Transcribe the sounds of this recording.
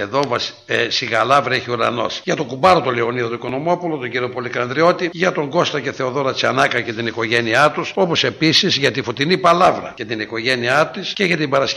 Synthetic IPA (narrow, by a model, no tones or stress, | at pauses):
eðo̞vɐs | esiɣɐlɐvɾɐeçiuɾɐ̰no̞̰sʝɐt̪okubɐɾot̪oleo̞niðɐt̪oikono̞mo̞pulot̪oɟiɾio̞polikɐnd̪ɾio̞t̪iʝɐt̪o̞ŋɡo̞st̪ɐce̞θe̞oðo̞ɾɐt͡siɐnɐkɐcet̪iniko̞ʝe̞niɐt̪uso̞po̞se̞pisizʝɐt̪ifot̪inipɐlɐvɾɐ̰cɐt̪iniko̞ʝe̞niɐt̪isceʝɐt̪ibɐɾɐs